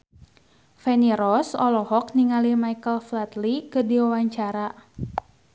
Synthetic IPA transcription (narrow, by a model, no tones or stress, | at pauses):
fɛniɾɔsɔlɔɦɔk̚niŋalimaikəlflat̪likɨrdiwawaɲt͡ʃaɾa